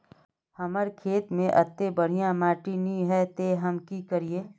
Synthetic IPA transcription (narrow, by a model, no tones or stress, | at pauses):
həməɾkʰeːt̪mẽʔɐt̪ːebəɽ̤ijãmaːʈinĩɦɛt̪eɦəmkikəɾieː